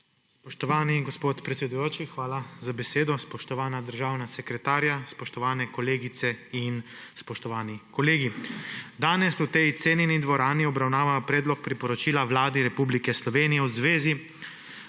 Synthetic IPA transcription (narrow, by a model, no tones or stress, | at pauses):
spɔʃt̪ɔʋaːniɡɔspoːt̪pɾɛt̪sʲɛd̪ujoːt͡ʃixʋaːlazabɛseːd̪ɔspɔʃt̪ɔʋaːnad̪əɾʒaːwnasɛkɾɛt̪aːɾjaspɔʃt̪ɔʋaːnɛkɔleːɡit̪sɛinspɔʃt̪ɔʋaːnikɔleːɡid̪aːnɛsut̪ɛjt̪seːnjɛnid̪ʋɔɾaːniɔbɾawnaːʋapɾɛːd̪lɔk̚pɾipɔɾɔt͡ʃiːlaʋlaːd̪iɾɛpublikɛslɔʋeːnijɛwzʋeːzi